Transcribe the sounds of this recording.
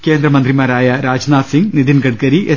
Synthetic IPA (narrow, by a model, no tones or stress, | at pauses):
ke̞ːnd̪rɐmɐnd̪rimaːɾaːjɐɾaːd͡ʑnaːsiŋɡniðinɡɐʈkɐɾiʔe